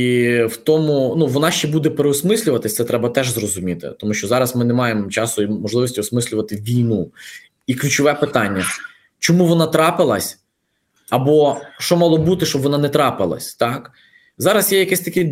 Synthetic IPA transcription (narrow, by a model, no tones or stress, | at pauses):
iwt̪ɔmʊnuʋɔnɑʃt͡ʃɛbud̪ɛpeɾeɔsmɪsʲlʲʊʋɐt̪ɪ̥sʲt̪sɛt̪ɾɛbɐt̪ɛʒzɾɔzʊmʲit̪ɪ̰t̪ɔmuʃt͡ʃɔzɑɾɐsmɪnɛmɑjemt͡ʃɑsʊimɔʒlɪʋɔsʲtʲiɔsmɪsʲlʲʊʋɐt̪ɪʋʲijnu | iklʲʊt͡ʃʊʋɛpɪt̪ɑnʲːɐ | t͡ʃɔmuʋɔnɑt̪ɾɑpɪlˠɐsʲ | ɐbɔʃɔmɑlˠɔbut̪ɪʃt͡ʃɔbʋɔnɑnɛt̪ɾɑpɪlˠɐ̰sʲt̪ɑk | zɑɾɐsjɛjɐkɛsʲt̪ɐkɛj